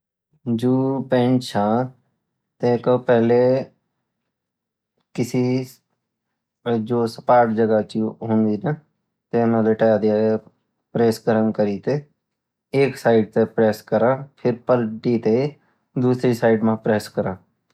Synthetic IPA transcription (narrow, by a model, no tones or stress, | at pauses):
d͡ʒuːpẽɳt͡ʃʰãː | t̪ẽːkopɛːle | kɪsi | d͡ʒoːsə̥paːɾʈd͡ʒəɡat͡ʃiɦʊ̃nd̪iːnə | t̪enãːleʈɛjd̪ɪjaːe | pɾeːskəɾənkəɾiːt̪eː | eːksaːɪɖt̪epɾɛːskəɾãːpʰɪɾpəlʈiːt̪e | d̪uːsɾiːsaːɪɖmãːpɾeːskəɾãː